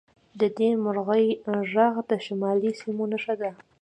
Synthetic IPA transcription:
d̪əd̪emʊɾɣəjʒaɣd̪əʃamɑlisimonəʃad̪a

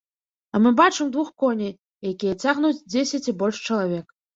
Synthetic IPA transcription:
amɨbat͡ʂɨmd̪vuxkɔnʲej | jakʲijɛt͡sʲaɣnut͡sʲd͡zʲesʲat͡sʲibɔlʲʂt͡ʂɐlˠavʲɛk

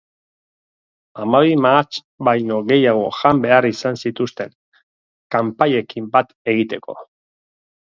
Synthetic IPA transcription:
amaβimat͡ʃ | bajno̞ɣe̞jaɣ̞o̞ʝambe̞arisansit̪ust̪e̞ŋ | kampaje̞kimbat̪e̞ɣ̞it̪e̞ko̞̰

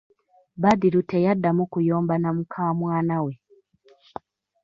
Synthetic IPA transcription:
badiɾutɛjadamukujɔːmbanamukʰaːmwaːnawɛ

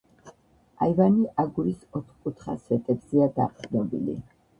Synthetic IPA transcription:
aivaniʔaɡuɾisɔt̪ʰχkʼut̪ʰχa̰svɛt̪ʼɛbzɛad̪a̰qʼd̪nɔbilḭ

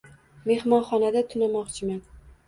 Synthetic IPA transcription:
me̞hmɒnχɒnad̪at̪ʰʊnamɒqt͡ʃʰɪman

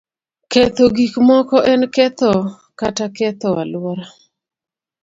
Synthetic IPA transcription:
ket̪oɡikmɔkɔʔɛnkɛt̪ɔ | katakɛt̪ɔwalwɔɾa

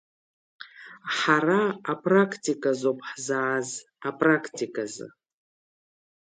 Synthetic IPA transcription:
ħaraapʰʼrakʰtʰikʼazopʰʼħzaʕaz | apʼrakʰtʰikʼazɨ̰

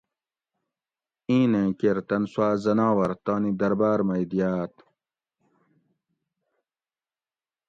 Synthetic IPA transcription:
ĩːnẽːkeɾt̪ɐnswaːzɐnaːwɐɾt̪aːnid̪ɐɾbaːɾmɐjd̪ijaːt̪

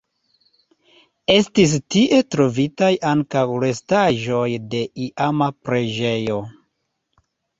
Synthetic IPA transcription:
e̞stis̬tiʔe̞tɾo̞vitajʔaŋkawɾe̞staʒo̞jde̞ʔiʔamapɾe̞d͡ʒe̞jo̞

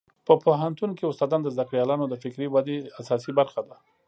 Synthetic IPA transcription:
pəpoɦant̪unkeʊst̪ɑd̪ɑnd̪əzd̪akɽjɑlɑnod̪əfɪkɾiwad̪easɑsibaɾxad̪a

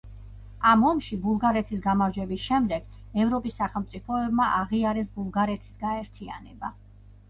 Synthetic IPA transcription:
amɔmʃibulˠɡaɾɛt̪ʰis̬ɡamaɾd͡ʒwɛbisʃɛmd̪ɛɡ̥ | ɛvɾɔpʼisːaχɛlˠmt̪sʼipʰɔɛbmaʔaʁiaɾɛsbulˠɡaɾɛt̪ʰi̥sɡaɛɾt̪ʰia̰nɛba

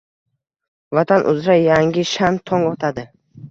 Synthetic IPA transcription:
vat̪ʰanʔʊ̰zɾajaŋɡʲɪʃant̪ʰɒŋɒt̪ʰad̪ɪ

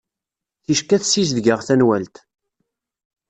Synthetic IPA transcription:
θiʃkæθsis̬ðɡəʁθænwælt̪

